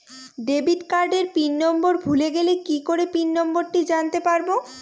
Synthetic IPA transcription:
ɖebitkaɾɖeɾpinːɔmboɾbʱuleɡelekikoɾepinːɔmboɾʈid͡ʑant̪epaɾbo

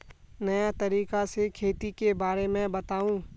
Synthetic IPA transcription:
nɐjat̪ɐɾiːkasekʰeːt̪ikebaːɾemɛ̃bɐt̪aːũː

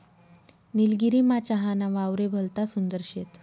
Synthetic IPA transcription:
nilɡiɾiːmat͡ɕaɦanaʋawɾebʱəlt̪asund̪əɾɕet̪

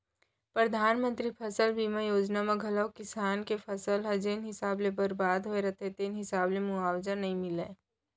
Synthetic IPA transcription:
pɾəd̪ʱaːnmə̃nt̪ɾipʰɐsəlbʱiːmãjoːd͡ʒnamãɡʱɐləwkɪsaːnkepʰɐsəlɦɐd͡ʒeːnɦɪsaːblebɐɾbaːd̪ɦoeɾɐt̪ʰet̪eːnɦɪsaːblemuaːwd͡ʒanɐɦĩmɪleː

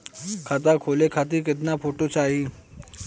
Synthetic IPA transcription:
kʰat̪̬akʰolekʰat̪̬iːket̪napoʈot͡saɦi

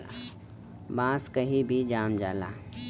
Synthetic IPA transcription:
bãːskɐɦĩbʱid͡ʒaːmd͡ʒaːla̰ː

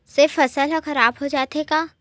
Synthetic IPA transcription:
sɪfɐsəlɦɔxɐɾaːbɦod͡ʒaːt̪ekaː

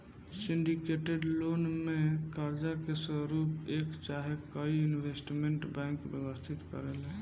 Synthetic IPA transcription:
siɳɖikeʈeɖlonmekaɾd͡ʒakesəɾupekt͡ʃaɦekəiinʋesʈmeɳʈbɛ̃ŋkbjəbəst̪ʰit̪kə̰ɾelɦɛ̃

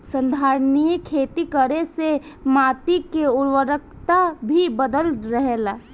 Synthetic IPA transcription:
sə̃nd̪ʱaːɾnijekʰeːt̪ikəɾesemaːt̪ikeʊɾwəɾək̚ʰt̪abʱibəd̪əlɾəɦela

